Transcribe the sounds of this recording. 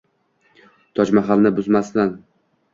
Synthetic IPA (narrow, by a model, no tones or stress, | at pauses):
t̪ʰɒt͡ʃmaχalnɪbʊzmasd̪an